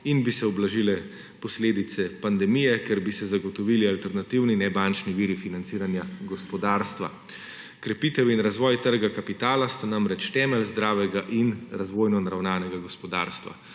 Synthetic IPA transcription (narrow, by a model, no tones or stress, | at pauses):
inbisɛɔblaʒilɛ | pɔsleːd̪it̪sɛpand̪ɛmijɛkɛɾbisɛzaɡɔt̪ɔʋiːlialt̪ɛɾnat̪iwninɛbant͡ʃniʋiːɾifinant̪siːɾanjaɡɔspɔd̪aːɾst̪ʋa̰ | kɾɛpiːt̪ɛwinɾazʋɔːjt̪əɾɡakapit̪aːlast̪anamɾɛt͡ʃt̪ɛːmɛlzd̪ɾaːʋɛɡaʔinɾazʋoːjnɔnaɾawnaːnɛɡaɡɔspɔd̪a̰ːɾst̪ʋa̰